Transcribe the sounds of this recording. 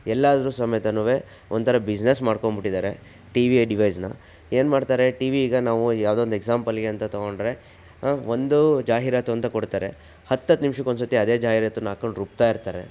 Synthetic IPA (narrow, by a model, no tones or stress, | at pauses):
ɛlːaːd̪ɐɾuːsɐmɐjɐt̪ɐnuːʋe̞ | ond̪t̪ʰɐɾɐbid͡ʒnesmaːɽkoɳbiʈːid̪aːɾe̞ | ʈiʋiɐjɖiʋɐjsnɐ̰ | eːnmaːɖt̪aːɾe̞ʈiːʋiːɡɐnaːʋujaːʋd̪oːnd̪eɡsaːmpɐlɡeɐnt̪ɐt̪oɡo̞ɳɖɾe̞ | ʋond̪ud͡ʒaːɦiɾaːt̪uɐnt̪ɐkoɽt̪aːɾe̞̰ | hɐt̪ːɐt̪ːnimʂɐkond̪sɐt̪iɐd̪e̞ːd͡ʒaːɦiɾat̪unaːkoɳɖɾuːp̚t̪aːiɾt̪aːɾe̞̰